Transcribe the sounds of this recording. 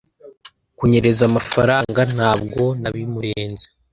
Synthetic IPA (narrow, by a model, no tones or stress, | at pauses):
kuɲe̞ɾe̞zamafaɾaːŋɡan̥haːbɡo̞naβimuɾeːnze